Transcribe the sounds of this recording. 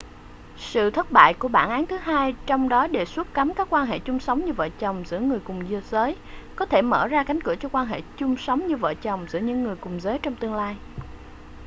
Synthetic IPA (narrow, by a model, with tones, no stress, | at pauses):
sɨ̰˧˨t̪ʰə˦˥t̚ɓa̰ː˧˨jku˧˩əɓaː˧˩nʔaː˨˦nt̪ʰɨ˨˦ɦaː˧jt͡ɕɔ˧wŋ͡mɗɔ˨˦ɗe˨˩swu˦˥t̚ka˨˦mkaː˦˥kːwaː˧nɦḛ˧˨t͡ɕʊ˧ŋ͡msə˨˦wŋ͡mɲɨ˧və̰ː˧˨t͡ɕə˨˩wŋ͡mzɨ̰˧˥əŋɨ˨˩əjkʊ˨˩ŋ͡mzɨ˧əzəː˨˦j | kɔ˨˦t̪ʰe˧˩mə̰ː˧˩zaː˧ka˨˦jŋ̟kɨ˧˩ət͡ɕɔ˧kwaː˧nɦḛ˧˨t͡ɕʊ˧ŋ͡msə˨˦wŋ͡mɲɨ˧və̰ː˧˨t͡ɕə˨˩wŋ͡mzɨ̰˧˥əɲɨ̰˧˥ŋːɨ˨˩əjkʊ˨˩ŋ͡mzəː˨˦jt͡ɕɔ˧wŋ͡mt̪ɨ˧əŋlaː˧j